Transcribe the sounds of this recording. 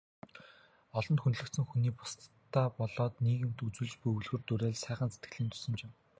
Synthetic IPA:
ɔɮɞ̆nt̪xunɮɵ̆kt̪sɘ̆ŋxuniːpʊ̥st̪ʰː | aːpɔɮɔːt̪niːɣɘ̆m̥t̪ut͡suːɮt͡ɕpɵjɵwɮɣɵ̆rt̪uɾæːɮsæːχə̆nset̪̚ɡɘ̆ɮiːnt̪ʰʊ̥sɵ̆mt͡ɕɪm

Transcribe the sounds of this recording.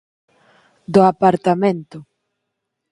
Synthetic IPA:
d̪ʊapaɾt̪amẽnt̪ʊ

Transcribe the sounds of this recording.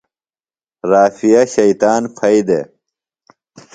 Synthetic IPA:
ɾaːfijɐɕɐjt̪aːnfʰɐjd̪ḛ

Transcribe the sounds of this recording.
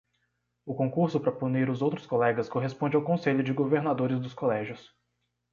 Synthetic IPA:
ʊkõkuɾsʊpɾɐpuniɾʊzowt̪ɾʊskolɛɡɐskoɦespõnd͡ʒɪawkõseʎʊd͡ʒɪɡoveɾnad̪oɾɪzd̪ʊskolɛʒjʊs

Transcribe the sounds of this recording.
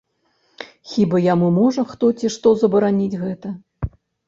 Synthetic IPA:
xʲibɐjamumɔʐɐxt̪ɔt͡sʲiʂt̪ɔzɐbɐɾanʲid͡zʲɣɛt̪ɐ

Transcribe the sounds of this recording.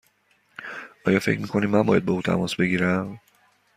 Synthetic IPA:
ʔɒːjɒːfe̞̰cʰmiːkʰoniːmænbɒ̰jæd̪̚bɒuːt̪ʰæ̰mɒːsbe̞ɟiːɾæm

